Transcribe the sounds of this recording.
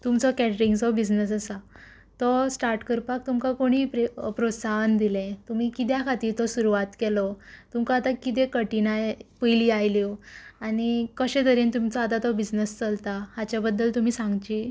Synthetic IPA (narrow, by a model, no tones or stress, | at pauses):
t̪umt͡sɔkɛʈɾiŋɡsɔbid͡znəsəsa | t̪ɔsʈaɾʈkəɾpak̚t̪umkakoɽ̃iːpɾepɾosaɦnd̪ilɛ̃t̪um̤iːkit̪̬jakʰat̪iːɾt̪ɔsuɾuʋat̪kɛlɔt̪umkãːt̪akit̪̬ẽkəʈinajpəjliajliaɽ̃ikəɕẽt̪əɾint̪umt͡sɔat̪at̪ɔbid͡znəst͡səlt̪aɦat͡ɕjabəd̪ːəlt̪um̤iːsãŋɡt͡ɕiː